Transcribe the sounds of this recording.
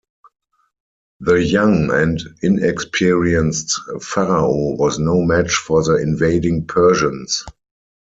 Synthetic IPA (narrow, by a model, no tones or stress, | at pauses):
ðəjãŋɛ̃ndɪ̃nɛkspʰiɹiə̃nstfaɹaowɔznoʊmæt͡ʃfɔðəɪ̃nveɪdɪ̃ŋpʰɜ˞ʃə̃ns